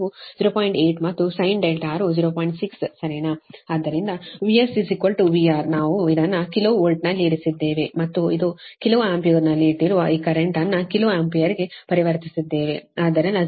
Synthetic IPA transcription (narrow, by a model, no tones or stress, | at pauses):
uziːɾoːpaːjiɳʈeːʈmɐt̪ːusɐjɳɖelʈaːɾud͡ʒiːɾoːpaːjiɳʈsikssɐɾeːnɐaːd̪ːɐɾind̪ɐʋiesizikːɐlʈuʋiaːɾnaːʋuid̪ɐnːɐkiloːolʈnɐlːiːɾisid̪ːe̞ːʋemɐt̪ːuid̪ukilɐʋuaːmpioːɾnɐlːiːʈːiɾuʋɐiːkɐɾeɳʈɐnːɐkiloːampijɐɾiɡe̞pɐɾiʋɐɾt̪isid̪ːeːʋeaːd̪ːɐɾind̪ɐ